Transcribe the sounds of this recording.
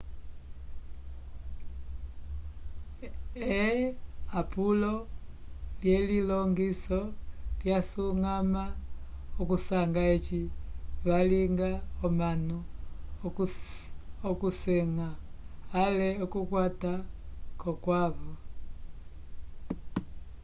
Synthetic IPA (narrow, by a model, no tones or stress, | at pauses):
ɛ | apulɔ | ljɛlilɔŋɡisɔljasuŋama | ɔkusaŋɡaɛt͡ʃiβaliŋɡaɔmanu | ɔkusɛŋaː | lɛɔkukwatakɔkwaβɔ